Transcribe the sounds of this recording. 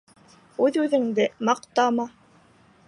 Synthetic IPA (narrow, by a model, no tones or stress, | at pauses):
ʉðʉðɘ̆ŋd̪ɘmɑqt̪ɑmɑ